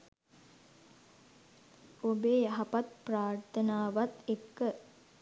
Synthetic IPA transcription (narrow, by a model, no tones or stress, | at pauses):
obeːjaɦapat̪̚praːrt̪ənaːʋat̪ekːə